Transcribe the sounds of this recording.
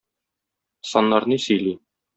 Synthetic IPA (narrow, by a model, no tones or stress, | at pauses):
sɒnːɑɾnisɵ̆jli